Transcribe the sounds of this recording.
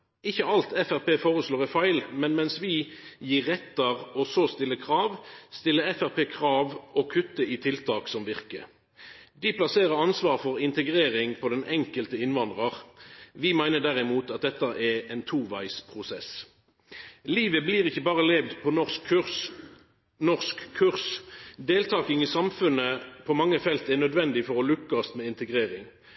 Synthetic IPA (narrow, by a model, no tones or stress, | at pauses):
ɪçəɑlt̪ʰɛfæʁpeːfoːʁəsloːʁɪfɑɪlmɛnmɛnsʋɪjiːʁɛt̪ːəʁɔsoːst̪ɪlːəkʰʁɑːʋst̪ɪlːəɛfæʁpeːkʰʁɑːʋɔkʰʉt̪ːəɪt̪ʰɪlt̪ʰɑːksɔmʋɪʁkə̰ | d̪ɪpʰlɑseːʁəɑnsʋɑːʁfɔʁɪnt̪əɡʁeːʁɪŋpʰɔd̪ɛnɛŋkəlt̪əɪnʋɑnd̪ʁɑʁʋɪmæɪnəɖ̪æʁɪmuːt̪ɑt̪̚d̪ɛt̪ːɑʔɛɛːnt̪ʰuːʋæɪspʰʁʊsɛs | liːʋəbliːʁɪçəbɑːʁəleːʋd̪pʰɔnɔskʰs | nɔʁskʰːʉʁsd̪eːlt̪ʰɑːkɪŋisɑmfʉnəpʰɔmɑŋːəfɛlt̪æʁnœd̪ʋɛnd̪ɪfɔʁɔlʉkːst̪mɛːɪnt̪əɡʁeːʁɪŋ